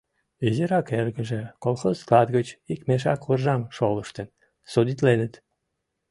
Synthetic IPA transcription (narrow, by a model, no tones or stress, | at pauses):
eziɾɑkerɣəʒĕkolˠxozklˠɑd̪ɣət͡ɕikmeʃ̬ɑkurʒɑmʃoləʃt̪ən | sod̪it̪lenət̪